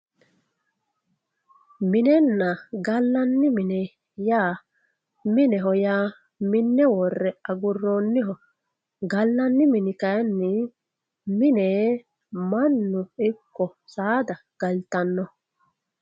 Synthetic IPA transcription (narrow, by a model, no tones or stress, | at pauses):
mɪnɛnːɐɡɐlːɐnːɪmɪnɛ | jaː | mɪnɛɦɔjaː | mɪnːɛwɔrːɛɐɡʊrːoːnːɪɦɔ | ɡɐlːɐnːɪmɪnɪkɐjnːɪ | mɪneː | mɐnːʊɪkːɔsaːd̪ɐ | ɡ̥ɐlt̪ɐnːɔ